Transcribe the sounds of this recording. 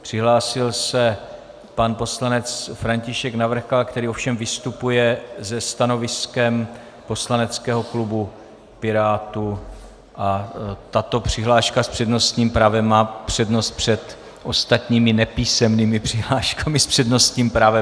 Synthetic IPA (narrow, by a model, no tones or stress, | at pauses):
pr̥ɪɦlaːsɪlsɛ | panpo̞slanɛt͡sfɾaɲcɪʃɛknavr̩xalkt̪ɛɾiːʔofʃɛmvɪst̪upujɛzɛst̪ano̞vɪskɛm | po̞slanɛt͡skɛːɦo̞klubu | pɪɾaːt̪u | ʔat̪at̪o̞pr̥ɪɦlaːʃkaspr̝̥ɛdno̞st̪ɲiːmpɾaːvɛmaːpr̝̥ɛdno̞st̪̚pr̝̥ɛt̪ | ʔo̞st̪at̪ɲiːmɪnɛpiːsɛmniːmɪpr̝̥ɪɦlaːʃkamɪspr̥ɛdno̞st̪ɲiːmpɾaːvɛ